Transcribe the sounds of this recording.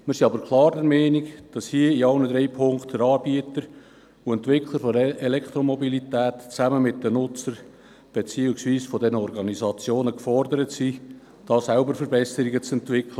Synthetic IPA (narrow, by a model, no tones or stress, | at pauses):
mɪɾsiɑbəɾkʰlˠɑːɾdəɾmɛːnikd̥ɑshiəiɑʊnəd̪ɾɛɪpʰʊŋktəɾɑːb̥iət̪əɾ | uɛntʋɪkʰlˠəɾfɔəelɛkt̪ɾomɔbilitæːtt͡sæməmɪtdənʊt͡səɾ | b̥et͡siːuksviːsfɔdɛnəɔɾɡɑnizɑt͡sjoːnəkfɔrdəɾətsi | d̥ɑːsælbəɾfəɾbɛsəɾiɡət͡sɛntʋɪkʰlə